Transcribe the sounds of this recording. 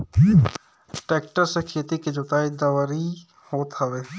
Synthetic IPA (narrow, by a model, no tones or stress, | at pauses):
ʈeːkʈəɾsekʰeːt̪iked͡ʒot̪aːid̪əʋɾi | hoːt̪ɦəʋeː